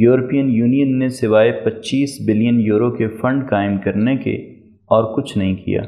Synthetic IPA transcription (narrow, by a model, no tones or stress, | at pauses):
juːɾəpijənjuːnijənːesɪʋaːepɐtːʃiːsbɪlijənjuːɾokefɐ̃ɳɖkaːɪmkɐɾnekḛ | ɔːɾkʊt͡ʃʰnɐɦĩkḭja̰ː